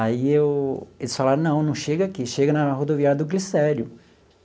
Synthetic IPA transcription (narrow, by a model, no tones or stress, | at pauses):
aiewelɪsfalaɾnɐ̃w̃nɐ̃w̃ʃeɡɐakiʃeɡɐnɐɦod̪oviaɾɐd̪ʊɡlisɛɾjʊ